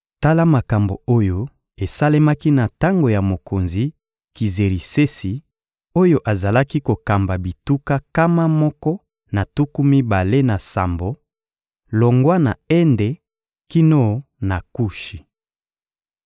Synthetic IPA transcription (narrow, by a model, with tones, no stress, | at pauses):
ta˦la˦ma˨ka˨mbo̰˨o˦jo˦ | e˨sa˦le˦ma˦ki˦na˨ta˦ŋɡo˨ja˨mo˨kʰo˨nzi˨ | ki˨ze˨ʁi˨se˦si˨ | o˦jo˦ʔa˨za˨la˦ki˦ko˨ka˨mba˨bi˨tu˦ka˦ka˦ma˦mɔ˦kɔ˦ | na˨tu˦ku˦mi˦ba˨le˦na˨sa̰˨mbo˨ | lo˨ŋɡwa˦na̰˨ɛ˦nde˨ | ki˦no˦na˨ku˦ʃi˨